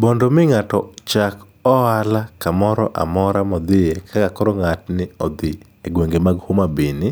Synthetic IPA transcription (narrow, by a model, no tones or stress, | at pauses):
bɔndomɪŋatɔt͡ʃak | ɔalakamɔɾɔʔa̰mɔɾamɔd̪ɪekʰakakɔɾɔŋatnɪɔd̪ɪ | eɡweŋɡemaɡhomabinɪ